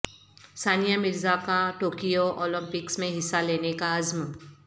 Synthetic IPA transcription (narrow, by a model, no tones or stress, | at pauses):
saːnijamɪɾzakaʈoːkijoʔɔːlə̃mpɪksmẽɦɪsːaleːnekaɐzm